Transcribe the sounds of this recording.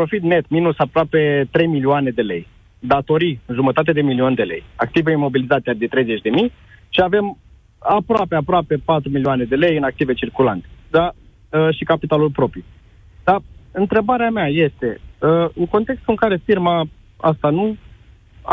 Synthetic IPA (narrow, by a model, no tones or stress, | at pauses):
pɾo̞fit̪ne̞t̪minusapɾoape̞t̪ɾe̞jmilioane̞d̪e̞le̞̰j | d̪at̪o̞ɾiɨnʒumət̪at̪̬e̞d̪e̞milio̞nd̪e̞le̞̰jak̚t̪iveimo̞bilit̪at̪ead̪e̞t̪ɾe̞jze̞t͡ʃʲd̪e̞mij | ʃiave̞m | apɾoapeapɾoape̞pat̪ɾumilioane̞d̪e̞le̞jɨnak̚t̪ive̞t͡ʃirkula̰nt̪e̥d̪a | əʃikapit̪alulpɾo̞pɾi | d̪̥aɨnt̪ɾe̞baɾeameaje̞st̪e̞əɨŋko̞nt̪e̞kst̪ɨŋkaɾe̞firma | a̰st̪anu